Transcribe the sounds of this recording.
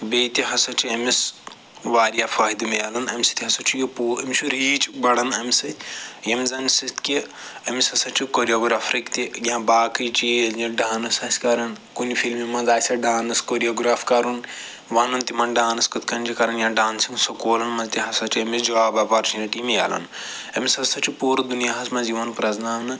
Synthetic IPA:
beːt̪iɦɐsɐt͡ʃʰiɐmis | ʋaːɾjafaːɦid̪imejaːlɐnɐmʲsi̥t̪ʰʲiɦɐsɐt͡ʃʰijopuːɐmʲsʰuɾiːt͡ʃibɐɽɐnɐmisɐt̪ʰʲjɐmzɐnsit̪ʰki | ɐmisɐsɐt͡ʃʰikoɾijoːɡɾaːfɾikt̪ijãːbaːkit͡ʃeːld͡ʒiɖaːnɐsɐsʲkɐɾɐn | kunifʰilmimɐ̃nzaːsʲɐɖaːnɨskoɾijoːɡɾaːfkɐɾun | ʋɐnɐnt̪imɐnɖaːnɐskɐt̪ʰkɐnt͡ʃikɐɾɐnjãːɖaːnsiŋɡsokoːlɐnmɐ̃nzt̪iɦɐsɐt͡ʃʰiɐmʲid͡ʒɐʋaːbɐpaɾt͡ʃʰinɐʈimeja̰ːlɐ̰n | ɐmʲisɐsɐt͡ʃʰipuːɾɐd̪unijaːɦɐsmɐ̃nziʋɐnpɾɐznaːnɨ

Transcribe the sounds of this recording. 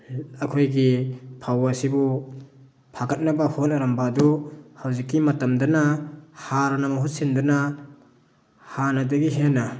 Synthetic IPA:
ɐkʰojɡipʰawasibu | pʰaɡɐt̚nɐbahonɐɾambaduhawzikːimɐtɐmdɐnahaɾɐnɐmɐɦut̚sindɐna | hanɐdɐɡiɦena

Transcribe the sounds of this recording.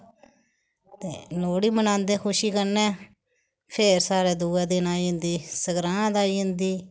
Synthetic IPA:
t̪ḛːloːɽiːmənãːnd̪eːkʰʊʃiːkəɾnɛː | pʰeːɾsaːɾeːd̪uːɛːd̪ɪnaːiːɦʊ̃nd̪iːsəɡɾãːd̪aːiːɦʊ̃nd̪iː

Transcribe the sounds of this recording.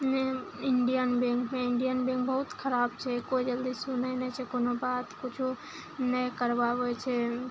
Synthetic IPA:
neɪɳɖijənbẽŋkʰmẽɪɳɖijənbẽŋk̚bəɦʊt̪kʰəɾaːbt͡ʃʰɛkoid͡ʒəld̪isunəinɛt͡ʃʰɛkonobaːt̪kʊt͡ʃʰo | nəkəɾbaʋeet͡ʃʰɛ

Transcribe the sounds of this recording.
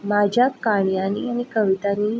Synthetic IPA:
mad͡ʑʱjakaɳijanianikəʋit̪ani

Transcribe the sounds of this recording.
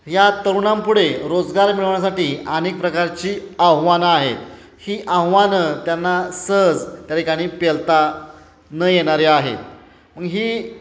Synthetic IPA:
jat̪əɾuɳampuɽeɾod͡zɡaɾmiɭəʋjas̬aʈiːanek̚pɾəkaɾt͡ɕiːaɦʋanaɦet̪ | hiːʔawʋanət̪janːasəɦəd͡zt̪jat̪ikaɽ̃iːpelt̪a | nəjeɽ̃aɾiaɦḛ | məɡɦiː

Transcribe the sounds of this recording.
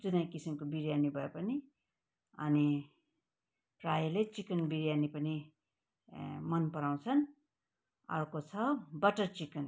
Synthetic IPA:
d͡zunʌjkisimkobiɾjanibʱʌepʌni | ʌ̰ni | prajilet͡sikʌnbiɾjanipʌni | mʌnpʌɾaw̃t͡sʰʌn | ʌ̰rkot͡sʰʌbʌʈʌrt͡sikʌn

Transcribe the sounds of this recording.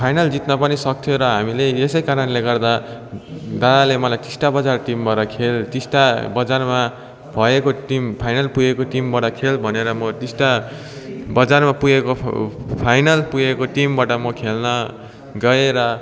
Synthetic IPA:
pʰajnald͡zit̪nʌpʌnisʌk̚t̪ʰjoɾʌɦamileesʌjkaɾʌnleɡʌrd̪a | d̪ad̪alemʌlajt̪isʈabʌd͡zarʈimbaɾʌkʰelt̪isʈabʌd͡zarma | bʱʌekoʈimpʰajnalpujekoʈimbaʈʌkʰelbʱʌneɾʌmʌt̪isʈa | bʌd͡zarmapujekopʰajnʌlpujekoʈimbaʈʌmʌkʰelnʌ | ɡʌeɾʌ

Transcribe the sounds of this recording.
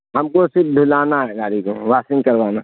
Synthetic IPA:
ɦɐmkosɪɾpd̪ʱʊlaːnaɦɛɡaːɾikoʋaːsɪ̃ŋkɐɾʋaːna

